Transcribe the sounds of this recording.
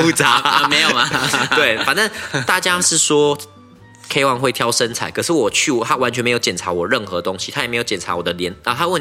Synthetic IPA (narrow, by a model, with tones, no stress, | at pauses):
u˥˧˦t͡sa˨˦me˧˥jo˨ma˨˦we˥˩ɪfa˨˩nə˥˩t̪a˥˨˩t͡ɕja˦˥ʂɻ̩˥˩swɔ˥ | kʰe˥ɪwɑ˧ŋxwe˥˩ɪt̪ʰjɑ˥ʊʂə˦nt͡sʰa˨˩ɪkʰɤ˨˩ʂɻ̩˥˩wɔ˨˩t͡ɕʰy˥˩˨t̪ʰa˦˥wa˧˦nt͡ɕʰɥɛ˧˦m˧˥jo˧˩ʊt͡ɕɛ˨˩nʈ͡ʂʰa˧˥wɔ˨˩ɻə˥˩nxɤ˧˦t̪o˥ŋɕi̥˧˥tʰa˥jme˧˥ɪo˧˩ʊt͡ɕjɛ˨˩nʈ͡ʂʰa̰˧˥wɔ˨˩d̪ə˦ljɛ˧˦n˧˨˩t̪ʰa˥wə˥˨n